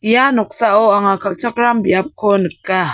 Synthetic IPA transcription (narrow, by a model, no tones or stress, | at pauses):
janɔk̚saʔoaŋakʰaʔt͡ʃʰɔk̚ɾambiap̚kʰonɯkːa